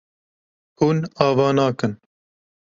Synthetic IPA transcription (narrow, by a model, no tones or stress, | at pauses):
huːnɑːvɑːnɑːkɨn